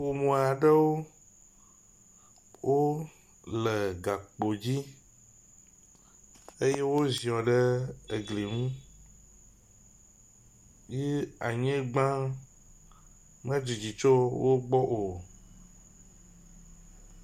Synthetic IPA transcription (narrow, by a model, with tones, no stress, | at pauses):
wo˨mõ˨a˨ɖɛ˦wo˦ | wʔo˦ | lɛ˨ɡa˨k͡po˨d͡ʑi˦ | e˦je˦wo˦zĩ˨ɔ̃˨ɖɛ˦e˨ɡle˨ŋũ˦ | je˦a̰˨ɲɛ̃˦ɡ͡bã˦ | mɛ̃˦d͡ʒi˨d͡ʑi˨t͡ʃo˦wo˦ɡ͡bɔ˦ʔo˨